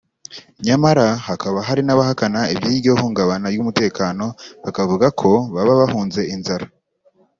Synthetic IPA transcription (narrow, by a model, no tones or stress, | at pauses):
ɲamaɾahakaβaɦaɾinaβahakanaibjiːɾɟo̞huːŋɡaβanaɾjumute̞ːkaːno̞βakavuɡakʰo̞βaβaβahuːnze̞inzaɾa